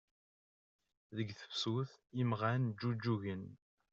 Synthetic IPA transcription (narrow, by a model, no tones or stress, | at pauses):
ðəɡθə̥fsuθimʁænd͡ʒːud͡ʒːuʝən